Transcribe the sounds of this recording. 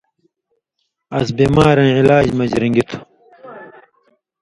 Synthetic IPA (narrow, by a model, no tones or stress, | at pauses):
ɐsbiːmaːɾɐ̃nilaːd͡ʑmɐd͡ʑɾiŋɡit̪ʰu̥